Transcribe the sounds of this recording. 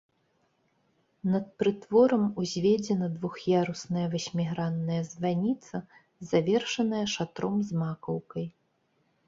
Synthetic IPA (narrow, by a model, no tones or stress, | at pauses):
nɐt̪̚pɾɨt̪vɔɾɐmuzʲvʲɛd͡zʲɛnɐd̪vuxjaɾusnɐjɐvɐsʲmʲiɣɾanːɐjɐzvanʲit̪sɐ | zavʲɛrʂɐnɐjɐʂat̪ɾɔmzmakɐwkɐj